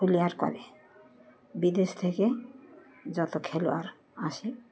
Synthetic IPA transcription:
ulijaɾkɔ̰ɾe | bid̪est̪ʰeke | zɔt̪okʰeloa̰ɾ | asi

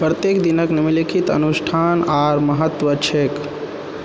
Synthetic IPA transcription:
pɾət̪jekd̪inəknimilikʰit̪ə̰nusʈʰanaɾməɦət̪ʋət͡ʃʰek

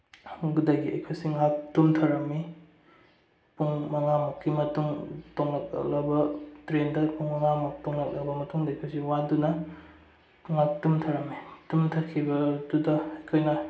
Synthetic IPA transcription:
ɡudɐjɡiɐ̰jkʰojsiŋak̚tumtʰɐɾɐmi | puŋmɐŋamɐkːimɐtuŋtoŋɐk̚ɐ̰lɐbɐtɾendɐpuŋmɐŋamɐk̚toŋlɐk̚lɐbɐmɐtuŋdɐɐjkʰojsiwadunɐ | ŋak̚tumtʰɐɾɐmːitumtʰɐkʰːibɐdudɐɐjkʰojnɐ

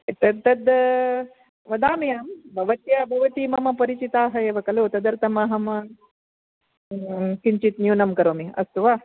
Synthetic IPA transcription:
t̪ɐd̪t̪ɐd̪ | ʋɐd̪aːmɐjaːmbʱɐʋɐt̪jabʱɐʋɐt̪imɐmɐpɐɾit͡ʃit̪aːɦɐjeːʋɐkɐlot̪ɐd̪ɐɾt̪ɐmɐːɦɐmɐ | kiɲt͡ʃit̪njuːnɐmkɐɾoːmiɐ̰st̪uʋaː

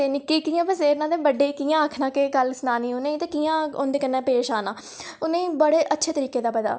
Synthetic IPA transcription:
t̪eːnɪkːiːkiːãːpəseːnãːd̪eːbəɖeːkiːãːəkʰnãːkeːɡəlsnaːniːonẽːĩt̪eːkiːãːoːnd̪eːkənːẽːpeːʃaːnãː | ʊnẽːbəɽeːʔətːʃʰeːt̪əɾiːkeːd̪aːpəd̪a̰ː

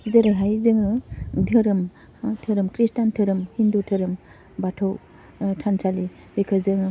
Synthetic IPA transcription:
zəɾaɦajzɯŋɯdʱɯɾɯm | tʰəɾɯmkɾistantʰɯɾɯmhindutʰɯɾɯm | batʰɯw | tʰansʰali | bikʰɯzɯŋɯ

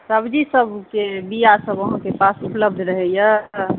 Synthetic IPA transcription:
səbd͡ʒisəbkebijasəbəɦãkepasupləb̚d̪ʱɾəɦɛjə

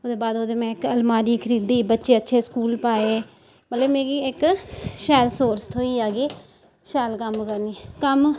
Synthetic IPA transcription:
od̪eːbaːd̪oːd̪eːmɛ̃ːɪkəlmaːɾiːkʰəɾiːd̪iːbətːʃeːətːʃʰeːskuːlpaːeː | mət̪ləbmeːɡiːɪkʃɛːlsoːɾst̪ʰoːiːaːɡeː | ʃɛːlkəmkəɾniːkəm

